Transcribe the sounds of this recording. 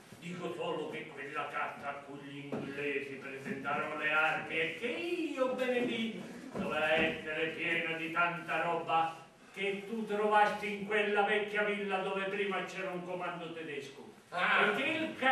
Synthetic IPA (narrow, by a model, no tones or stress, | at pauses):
d̪iːkosɔːlʊkekːwɪlːakart̪aːkːuʎːiiŋɡilːɛːsipɾesent̪aːɾonʊlearmiɛkːeiobːened̪i | d̪ovɛaɛsːeɾepjɛːnʊd̪it̪ant̪aɾɔbːa | ket̪ːut̪ɾovast̪iiŋkwelːavɛkːjavilːad̪ɔːvepɾiːmat͡ʃɛːɾauŋkomand̪ʊt̪ɛd̪ɛskʊ | ekːeilka